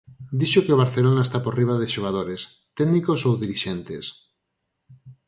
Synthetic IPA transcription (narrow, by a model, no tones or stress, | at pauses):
d̪iʃokeoβaɾθelonaest̪aporiβ̞aðeʃoɣ̞aðoɾes | t̪ɛɣnikosowðiɾiʃɛnt̪es